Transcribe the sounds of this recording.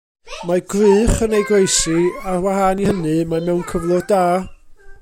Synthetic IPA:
maɡrɨːχənejɡwejsiarwahanihənɨmamɛwnkʰəvlˠʊrdaː

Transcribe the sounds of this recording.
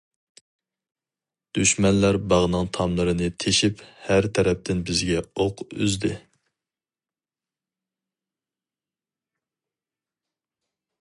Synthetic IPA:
d̪̥yʃmɛnlæɾbɑʁnɨŋt̪ʰɑmlˠɨɾɨnɨt̪ʰeʃiphæɾt̪ʰɛɾɛp̚t̪ʰɪnbɪzɡʲɛoqyzd̪ɪ

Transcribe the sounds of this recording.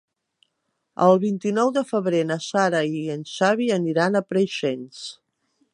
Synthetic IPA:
ə̰lˠβint̪inɔwðəfəβɾenəsaɾəiənʃaβiəniɾanəpɾəʃens

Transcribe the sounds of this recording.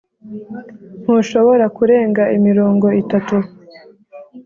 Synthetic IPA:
n̥huʃo̞βo̞ɾakuɾe̞ːŋɡaʔimiɾoːŋɡo̞itatu

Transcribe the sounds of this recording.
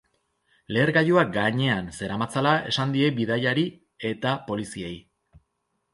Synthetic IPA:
le̞ːɾɣajuaɡaɲe̞anse̞ɾamat͡salae̞̰sand̪ie̞biðajaɾi | e̞t̪apo̞lisiej

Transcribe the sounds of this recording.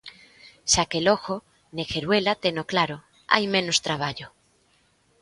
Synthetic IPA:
ʃakeloxo | nexeɾwelat̪enoklaɾo | a̰jmẽnost̪ɾaβ̞aʎo

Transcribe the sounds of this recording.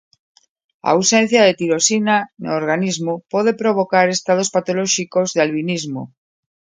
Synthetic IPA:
a̰wsen̟θjaðet̪iɾosinano̰ːɾɣanizmopɔð̞epɾoβ̞okaɾest̪að̞ospat̪olɔʃikozðealβinizmo̰

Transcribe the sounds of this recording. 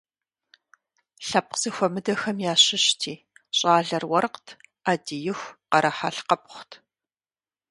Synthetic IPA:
ɬɐp̚qz̥ɨxʷɔmɨdɐxɐmjaːɕɪɕtʰiː | ɕʼaːɮɐrwɐrqtʰaːdijɪxʷqɐɾɐħaːɬqɐp̚ʼχʷtʰ

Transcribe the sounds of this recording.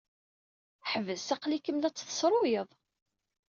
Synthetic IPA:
ħəvəzsæqlikəmlæt͡sːθə̥sɾˤʊjəðˤ

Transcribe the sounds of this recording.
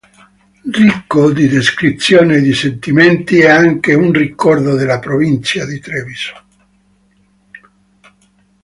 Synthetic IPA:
rikːod̪id̪eskɾit̪sːjoːned̪isent̪iment̪iɛaŋkeunrikːɔrd̪od̪elːapɾovint̪sjad̪it̪ɾeviso̥

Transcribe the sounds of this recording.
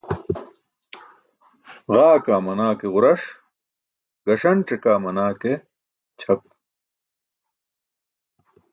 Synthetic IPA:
ʁaːkaːmɐnaːkeʁʊɾɐʂ | ɡɐʂɐnʈ͡ʂekaːmɐnaːke | t͡ɕʰɐp̚

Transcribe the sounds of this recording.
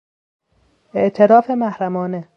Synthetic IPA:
ʔeʔt̪ʰe̞ɾɒːfe̞mæhɾæmɒːne

